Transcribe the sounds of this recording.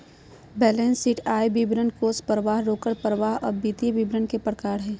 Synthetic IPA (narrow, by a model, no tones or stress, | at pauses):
bɛːlẽːnsiʈʰaːjbibɾənkoːspəɾʋaːɦɾoːkəɽpəɾʋaːɦɔ̰ːɾbiːt̪iebibɾənkepəɽkaːɽɦɛː